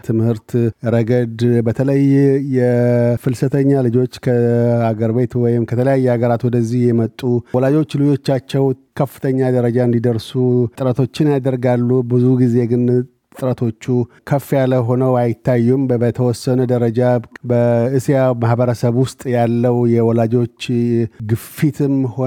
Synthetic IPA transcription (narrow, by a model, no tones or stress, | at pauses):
t̪ʰɨmhɨɾt̪ɾəɡəd̪bət̪ʰələjjɛfɨlsət̪ʰəɲːalɨd͡ʒo̞t͡ʃːkʰəaɡəɾbe̞t̪wɔjɪmkʰət̪ʰələjajːɛhaɡəɾat̪wɔd̪əzːihjɛmət̪ʼːuwɔlad͡ʒo̞t͡ʃːlɨd͡ʒo̞t͡ʃːat͡ʃːɛwkʰəfːɨ̥t̪ʰəɲːad̪əɾəd͡ʒaɨnd̪id̪əɾsuɨɾət̪ʰo̞t͡ʃːɪnjad̪əɾɡalːubɨzuɡize̞ɡɨn | t̪ʼɨɾət̪ʰo̞t͡ʃːu | kʰəfːjaləɦo̞nəwajɪt̪ʰːajːumbət̪ʰəwɔsːənəd̪əɾəd͡ʒabəɨsjamahbəɾəsəβwʊst̪ʼjalːəwjɛwɔlad͡ʒo̞t͡ʃːɡɨfːit̪ʰɨmho